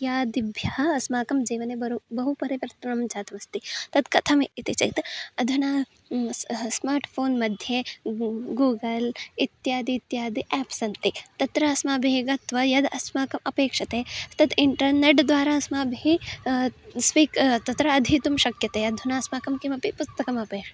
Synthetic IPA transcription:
jaːd̪ibʱjɐɦɐɐsmaːkɐmd͡ʒiːʋɐneɐbɐɦupɐɾiʋɐɾt̪ɐnɐmd͡ʒaːt̪ɐmɐst̪it̪ɐd̪kɐt̪ʰɐmit̪it͡ʃɐ̰t̪ɐd̪ʱuna | smaːɾʈpʰoːnmɐd̪ʱje | ɡuːɡɐlit̪jaːd̪iːt̪jaːd̪iʔɛːpsɐnt̪it̪ɐt̪ɾɐɐsmaːbʱeːɡɐt̪ʋɐjɐd̪ɐsmaːkɐmɐpeːkʂɐt̪eːt̪ɐt̪iɳʈɐɾneʈd̪ʋaːɾaːsmaːbʱi | sʋiːkt̪ɐt̪ɾɐɐd̪ʱit̪umʃɐkjɐt̪eɐd̪ʱunaːɐsmaːkɐmkimɐpipust̪ɐkɐmɐpeːkʂɐ

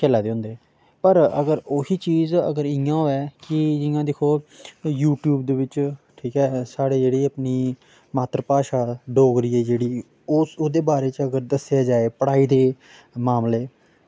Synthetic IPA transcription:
kɛːlaːd̪eːɦʊ̃nd̪eː | pəɾəɡəɾoːɦiːt͡ʃiːzə̰ɡəɾɪjãːoːɛːkɪd͡ʒɪjãːd̪ekʰoːjuːʈjuːbd̪eːʋɪt͡ʃʈʰiːkɛːsaːɽeːd͡ʒeːɽiːapniː | maːt̪ɾəpaːʃaːɖoːɡɾiːɛːd͡ʒeːɽiː | ʊsʊd̪eːbaːɾeːt͡ʃəɡəɾd̪əsɪjaːd͡ʒaːeːpəɽaːiːd̪eː | maːmleː

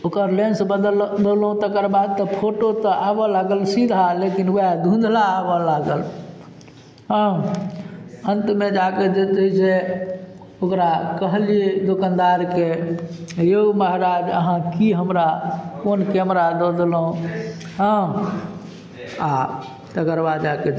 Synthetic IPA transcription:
okəɾlẽnsbəd̪əlbəlɦũt̪əkəɾbad̪̚t̪əpʰoʈot̪əʔabəlaɡəlsid̪ʱalekinɛd̪ʱũnd̪ʱlaːbɔlaɡəl | ɦə̃ | ənt̪med͡ʒaked͡ʒet̪əise | okɾakəɦlied̪okənd̪aɾke | jeuməɦɾad͡ʒə̰ɦãkiɦəmɾakonkɛmɾad̪ɔd̪lɦũ | ɦə̃ | a̰ | t̪əkəɾbad̪d͡ʒake

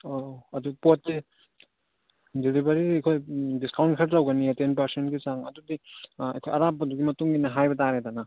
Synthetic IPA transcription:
oɐduɡpotːi | deɾibɐɾidɐkʰojdiskawntkʰaɾɾawɡɐniatenpɐɾsentɡit͡ʃaŋɐ̰dudiɐ̰jkʰojɐɾapːɐduɡimɐtuŋɡinɐɦajbɐtaɾetanɐ

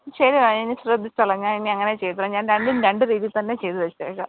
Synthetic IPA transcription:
ɕɐɾiʋainːisrɐd̪ʱːit͡ɕːɐɭːɐɲːaːninːiɐŋːɐnet͡ɕejt̪ːuɭɐɲaːnɾeɳɖinɾeɳɖɨɾiːðilt̪ɐnːe̞t͡ɕejt̪ɨʋɐt͡ɕːḛːkːɐ

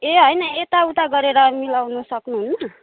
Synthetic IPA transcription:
eɦʌjnʌet̪aut̪aɡʌɾeɾʌmilawnusʌknuɦunːʌ

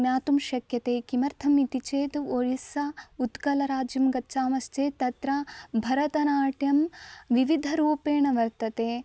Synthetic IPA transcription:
njaːt̪umʃɐkjɐt̪eːkimɐɾt̪ʰɐmit̪it͡ʃeːt̪oɻisɐut̪kɐlɐɾaːd͡ʒjɐmɡɐtːt͡ʃaːmɐst͡ʃ̪eːt̪ɐt̪ɾɐbʱɐɾɐt̪ɐnaːʈjɐmʋiʋid̪ʱɐɾuːpeːɳɐʋɐɾt̪ɐt̪eː

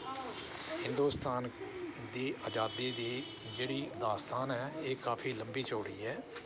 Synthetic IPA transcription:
hɪ̃nd̪uːst̪aːnd̪eːʔəːd͡ʒaːd̪eːd̪eː | d͡ʒeːɽiːd̪aːst̪aːnɛːeːkaːpʰiːləmbiːt͡ʃoːɽiːɛː

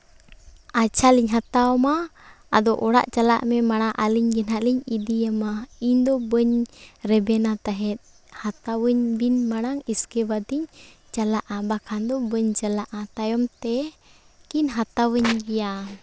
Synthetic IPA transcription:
at͡ʃʰaliɲɦat̪aɔmaː | d̪ɔʔɔɽa̰ʔt͡ʃala̰ʔmɛmaɽ̃aʔaliɲɡɛnɦaʔliɲid̪ijamaiɲd̪ɔbəɲɾɛbɛnat̪aɦɛt̪̚ | hat̪awəɲbinmaɽ̃aŋiskɛbad̪iɲ | t͡ʃalaʔabakʰand̪ɔbəɲt͡ʃalaʔat̪ajɔmt̪ɛ | kinɦat̪awəɲɡɛja

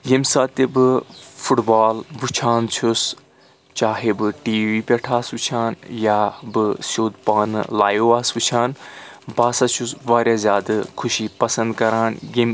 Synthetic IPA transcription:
jimsaːt̪ebɨfuʈbaːlʋɨt͡ʃʰaːnt͡ʃʰus | t͡ʃaːɦebɨʈiːʋiːpʲeʈʰaːsʋut͡ʃʰaːnjaːbɨsoːd̪paːn̰laːjoːaːsʋut͡ʃʰaːnbaːsat͡ʃʰusʋaːɾʲjaːzʲjaːd̪ɨkʰʊʃiːpɐsɐnd̪kɐɾaːnjim

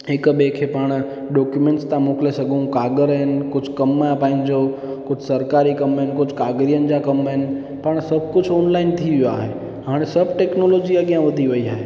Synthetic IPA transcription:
ɦɪkɓekʰepaːɽ̃ | ɖɔːkjumẽɳʈst̪ãmoːklesɐɡʱũkaːɡəɾəɦɪnɪ̆kʊd͡ʑʱkɐmaɦpãɦɪ̃nɪ̆d͡ʑoː | kʊd͡ʑʱsɐɾkaːɾikɐməɦɪnkʊd͡ʑʱkaːɡɾijənɪ̆d͡ʑakɐməɦɪnɪ̆ | paːɽ̃sɐbʱkʊd͡ʑʰʱoːnlaːɪnt̪ʰiʋijaːɦeː | ɦaːɽ̃esɐbʱʈɛːknoːloːd͡ʑiaɠijãʋɐd̪ʱiʋɐiaːɦeː

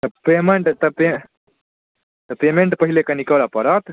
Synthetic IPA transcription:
t̪ɐpemeɳʈt̪ɐpe | t̪ɐpemeɳʈpɐɦilekanikɐʋlapɐɾat̪

